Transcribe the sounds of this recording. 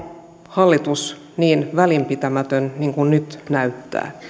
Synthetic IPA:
hɑlːit̪us | niːnʋælimpit̪æmæt̪ønniŋkunnyt̪næyt̪ːæ̰ː

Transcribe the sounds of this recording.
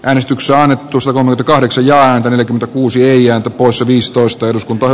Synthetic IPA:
ʔæːnest̪yksˑeɑnːet̪ːusɑt̪ɑkolmekymnt̪ækɑhdeksɑjjɑːæːnt̪æneljækyment̪ækuːsieiæːnt̪æpoˑisseʋiːst̪oˑist̪ɑeduskunt̪ɑh

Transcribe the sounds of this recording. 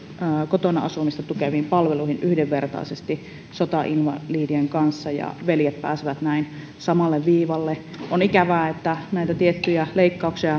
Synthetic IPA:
əːkot̪onɑɑsumist̪ɑt̪ukeʋimpɑlʋeluihinyhdeʋːert̪ɑ̰isest̪i | sot̪ɑʔinʋɑ̰liːdieŋkɑnsːɑjɑ̰ʋeljet̪̚pæːsiʋæt̪næin | sɑmɑlːeʋʋiːʋɑlːe | ʔonikæʋæːet̪ːænæit̪æt̪iet̪ːyjæleikːɑuksiɑ

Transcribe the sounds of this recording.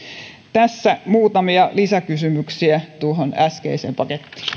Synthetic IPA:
t̪æsːæmuːt̪ɑmiɑlisækysymyksiæt̪uoɦonæskḛiseːmpɑket̪ːi̥ː

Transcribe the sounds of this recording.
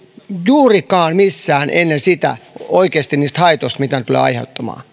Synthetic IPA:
juːrikɑːnmisːæːnʔenːensit̪æ̰oikeːst̪iniːst̪hɑit̪ost̪mit̪ænt̪ulḛːɑ̰ihḛut̪ːɑmɑ̰ː

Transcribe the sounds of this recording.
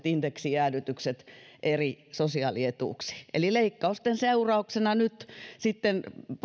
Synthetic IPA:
t̪ind̥̪eksiæːnyt̪ykset̪ʔerisosiɑˑliet̪ṵːˑksi̥ʔḛlileikːɑust̪enseurɑuksenɑnyt̪sit̪ːenp

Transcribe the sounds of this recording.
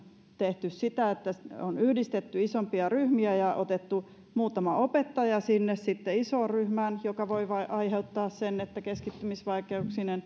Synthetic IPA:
t̪eht̪yssit̪æet̪ːæonyhdist̪et̪ːyisompiɑryhmiæjɑʔot̪et̪ːu | muːt̪ɑmɑʔopet̪ːɑjɑsinːessit̪ːeisoːrryhmænjokɑʋoiʋɑiʔɑiheut̪ːɑːssenːet̪ːækeskit̪ːymisʋɑikeuksinen

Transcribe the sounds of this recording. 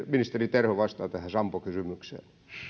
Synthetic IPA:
minist̪erit̪erhoʋɑst̪ɑːt̪æhæsɑmpokysymyksḛː

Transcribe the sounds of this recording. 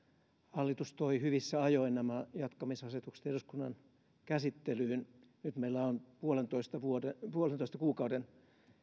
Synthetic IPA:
hɑlːit̪ust̪oihyʋisːæɑjoinæmæjɑt̪kɑmisɑset̪ukse̥t̪eruskunːɑ̰n | kæsit̪ːelyyn | nyt̪meilːæonpuolent̪oist̪ɑʋuodepuolent̪oist̪ɑkuːkɑuden

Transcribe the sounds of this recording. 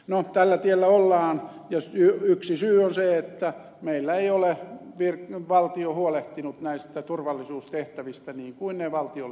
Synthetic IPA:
not̪ælːæt̪ielːæolːɑːn | jɑsyyksisyːonseet̪ːæ | meilːæeioleʋirʋɑlt̪iohuoleht̪inut̪næist̪æt̪urʋɑlːisuːst̪eht̪æʋist̪æniːŋkuinneʋɑlt̪io

